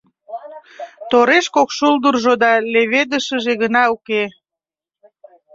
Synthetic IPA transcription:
t̪oɾeʃkokʃuld̪urʒod̪ɑleβed̪əʃəʒeɣənɑuke

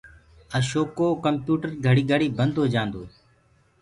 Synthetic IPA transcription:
əʃoːkoːkəmpjuːʈəɾɡʱəɽiːɡəɽiːbənd̪ʱoːd͡ʒãːnd̪oː

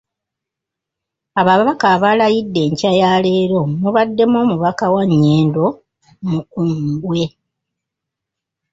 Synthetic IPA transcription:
aβaβakaːβalajidːe̞ːɲcajaːle̞ːɾo̞muβadːe̞mo̞ːmuβakawaɲːe̞ːndo̞ | mukumbwe̞

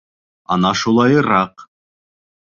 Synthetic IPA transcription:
ɑ̰nɑʃulˠɑjɤɾɑq

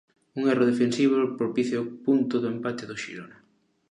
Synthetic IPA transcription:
uŋɛroðefensiβ̞opɾopiθjpunt̪ʊðoempat̪eðʊʃḭɾona

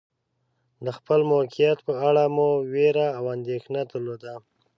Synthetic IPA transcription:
d̪əxpəlmokijat̪pəaɽamoweɾaːwand̪exnat̪əɾlod̪a

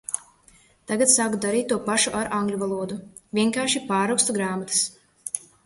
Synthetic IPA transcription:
t̪aɡat̪saːkud̪aɾiːt̪ːuɔpaʃuʔaɾʔãŋɡlʲuvalˠuɔd̪u | vʲiɛŋkaːɾʃipaːɾawkst̪uɡɾaːmat̪ɨ̥s

